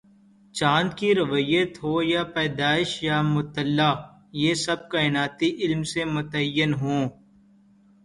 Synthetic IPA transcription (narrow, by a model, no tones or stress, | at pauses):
t͡ʃãːnd̪kiɾəʋəjət̪ɦoːjapɛːd̪aːɪʃjamʊt̪əlːaː | jeːsɐb̚kaːɪnaːt̪iʔɪlmsemʊt̪əjːənɦõː